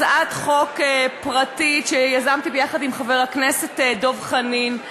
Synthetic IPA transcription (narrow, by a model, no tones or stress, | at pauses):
zʔatχo̞kepʁatiʃejazamtibejaχadimχaveʁaknesetedo̞vχanin